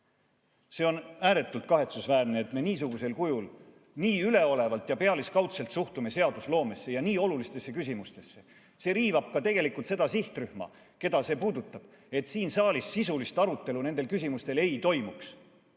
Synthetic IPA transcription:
se̞ːo̞næːɾe̞t̪ːˑult̪̚kɑɦe̞t̪susvæːrne̞ːt̪me̞niːs̬uɡ̥use̞lkujul | niːyle̞o̞le̞vɑlt̪ˑjɑpe̞ɑliskɑwt̪selt̪suht̪ume̞se̞ɑd̪uslo̞ːme̞sːe̞jɑniːo̞lulist̪e̞sːe̞kysʲimust̪e̞sːe̞ | se̞ːɾiːvɑb̥̚kɑt̪e̞ɡ̥e̞likult̪se̞d̪̥ɑsiht̪ryhmɑ̰ | ke̞d̪ɑse̞ːpuːd̪ut̪ːˑɑb̥ | e̞t̪siːnsɑːlisːisulist̪ɑɾut̪ːˑe̞lune̞nd̪e̞lkys̬ʲimust̪e̞le̞jt̪o̞jmuks

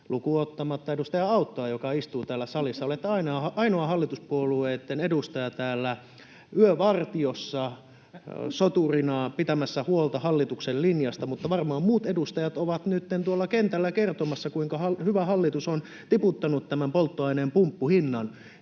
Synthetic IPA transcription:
lukuot̪ːɑmɑt̪ːɑeust̪ɑjɑɑut̪ːoɑjokɑist̪uːt̪æːlːˑæsɑlisːɑolet̪ːeɑinɑɑɑinoɑhɑlːit̪uspuolueːt̪ːenedust̪ɑjɑt̪æːlːæ | yøʋɑrt̪iosːɑ | sot̪urinɑpit̪æmæsːæhuolt̪ɑhɑlːit̪uksellinjɑst̪ɑmut̪ːɑʋɑrmɑːmmuːt̪edust̪ɑjɑt̪oʋɑt̪nyt̪ːent̪uolːɑkent̪ælːækert̪omɑsːɑkuiŋkɑhɑhyʋæhɑlːit̪uson | t̪iput̪ːɑnut̪t̪æmæmpolt̪ːoɑineːmpumpːuhinːɑn

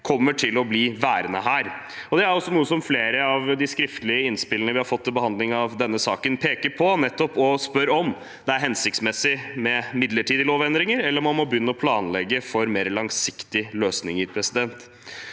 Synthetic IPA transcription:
kʰɔmːəʈʰɪlɔbliːʋæːɾənə̰ɦæːɾ | ɔd̪ɛæɾɔsːɔnuːəsɔmfleːɾəɑʋd̪ɪskɾɪft̪əlɪəɪnspɪlənəʋɪhɑɾfɔt̪ʰːɪlbəhɑnd̪lɪŋɑʋd̪ɛnːəsɑːkənpʰeːkəpʰɔnɛt̪ːɔpɔspœɾɔm | d̪̥ɛæɾɦɛnsɪk̚t̪smɛsɪmɛmɪd̪ləʈʰiːd̪əloːʋɛnd̪ɾɪŋəɾɛlːəɾɔmːɑnmɔbəjʏnːəɔpʰlɑːnlɛɡːəfɔɾmeːɾlɑŋsɪkt̪ɪløːsnɪŋəɾpʰɾɛsɪd̪ɛnt̪

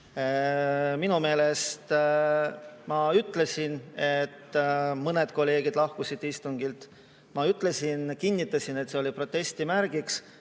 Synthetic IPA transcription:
minume̞ːle̞st̪ | mɑyt̪ːˑle̞sʲine̞t̪ːmɤne̞d̪̥ko̞lːe̞ːɡ̥id̪̥lɑhkusid̪̥ist̪uŋɡilt̪ | mɑyt̪ːˑle̞sinkinʲːit̪ːˑɑsinet̪ːse̞o̞lʲipro̞t̪ːe̞st̪imæɾɡiks

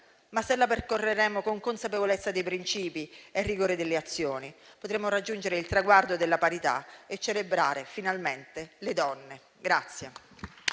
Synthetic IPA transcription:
masːelːaperkorːeɾɛːmokoŋkonsapevolet̪sːad̪ejpɾint͡ʃiːpierːiɡoːɾed̪elːeat̪sːjoːnipot̪ɾɛmːoɾad͡ʒːund͡ʒeɾeilt̪ɾaɡward̪od̪elːapaɾit̪a̰et͡ʃːelebɾaːɾefinalment̪elɪd̪ɔnːe | ɡɾat̪sːje

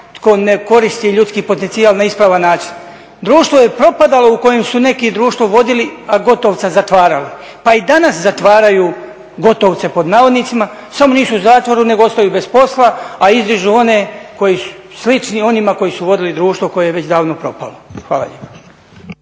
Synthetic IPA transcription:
t̪ko̞ne̞ko̞ɾist̪iʎut̪skiːpo̞t̪ent̪siaːlˠnaispɾaːʋanːaːt͡ʃi̥n | d̪ɾuːʃt̪ʋo̞je̞pɾo̞pad̪alˠo̞uko̞jemsune̞kid̪ɾuːʃt̪ʋo̞ʋo̞d̪iliaɡo̞t̪oʋt̪sazat̪ʋaːɾali | paid̪anaszat̪ʋaːɾaju | ɡo̞t̪oʋt̪se̞po̞d̪naːʋod̪nit̪sima | samo̞niːsuuzaːt̪ʋoɾune̞ɡoost̪ajuːbespo̞slˠaaizd̪iʒuo̞ne̞ko̞jisu̥slit͡ʃnio̞nimako̞jisuʋo̞d̪ilid̪ɾuːʃt̪ʋoko̞jejeʋe̞t͡ɕd̪aːʋnopɾo̞̰pa̰loxʋa̰ːla̰ʎḛpḁ

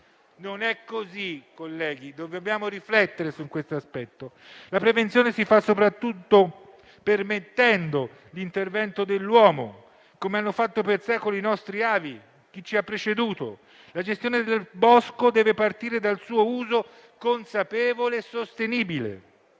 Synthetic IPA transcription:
nonɛkːozikːolːɛːɡid̪ovebjaːmoɾiflɛt̪ːeɾesukwest̪oaspɛt̪ːo | lapɾevent̪sjoːnesifasːopɾat̪ːut̪ːo | permet̪ːɛnd̪o | lint̪ervɛnt̪od̪elːwɔːmo̰ | komeanːofat̪ːopersɛkolinɔst̪ɾiaːvi | k̟it͡ʃːiapːɾet͡ʃed̪uːt̪o̰ | lad͡ʒest̪joːned̪elbɔskod̪ɛːvepart̪iːɾed̪alsuːouːzo | konsapɛːvolesːost̪eniːbilḛ

